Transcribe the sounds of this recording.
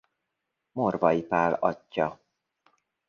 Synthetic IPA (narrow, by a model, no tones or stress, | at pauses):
morvɒjipaːlɒcːɒ